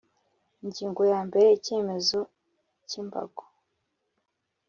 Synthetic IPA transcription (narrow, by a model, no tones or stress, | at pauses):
iɲɟiːŋɡo̞jaːmbeɾece̞ːme̞zo | cimba̰ɡ̥o̥